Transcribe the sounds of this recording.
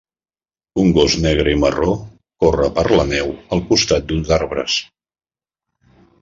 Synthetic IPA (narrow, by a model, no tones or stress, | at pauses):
uŋɡoznɛɣ̞ɾəiməro | korəpəɾlənɛwəlˠkust̪at̪̚d̪unzaɾβɾə̰s